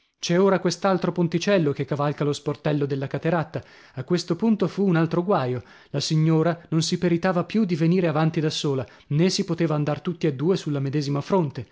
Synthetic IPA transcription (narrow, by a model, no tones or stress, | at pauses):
t͡ʃɛoːɾakwest̪alt̪ɾopont̪it͡ʃɛlːokekːavalkalosport̪ɛlːod̪elːakat̪eɾat̪ːa | akːwest̪opunt̪ofuːnalt̪ɾoɡwaːjo | lasiɲːoːɾanonsipeɾit̪aːvapjud̪iveniːɾeavant̪id̪asːoːla | nesipot̪eːvaːnd̪art̪ut̪ːiad̪ːuːesulːamed̪ɛːzimafɾont̪e